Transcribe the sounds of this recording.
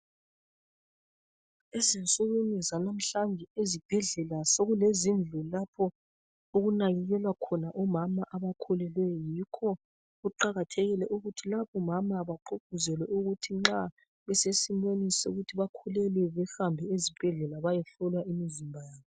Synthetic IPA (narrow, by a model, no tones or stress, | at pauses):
ezint͡sʼuɣunizanam̩ɬand͡ʒʱɛezib̥ʱɛɮɛlasoɣulezind͡ɮʱulapʰɔ | oɣunaɣɛɣɛlwakʰɔnaʔɔmamaʔaβakʰɔlɛlwɛjɔjikʰɔ | uǃaɣatʰeɣilɛʔuɣutʰilaβɔmamaβaǃop̚uzɛlwɛʔuɣutʰiŋ͡ǁa | βɛsesimonisɛṵɣutʰiβakʰɔlɛlɛβɛhambʱɛezib̥ʱɛɮɛlaβajɛɬɔlwaʔimizimbʱajaːβɔ